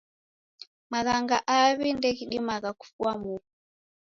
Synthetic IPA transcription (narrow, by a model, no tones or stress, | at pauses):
maɣaŋɡaʔaβindɛkiɗimakaku̥fuwamuu